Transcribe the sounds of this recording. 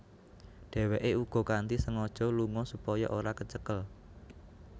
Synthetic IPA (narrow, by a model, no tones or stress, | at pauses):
ɖ̥ɛ̤weʔeuɡ̥ɔ̤kant̪isəŋɔd̥ʒ̥ɔ̤luŋɔsupɔjɔʔoɾakət͡ʃəkəl